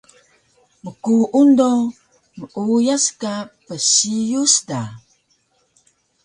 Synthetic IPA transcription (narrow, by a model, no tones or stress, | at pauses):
məkuʔundo | məʔujaskapəsijusda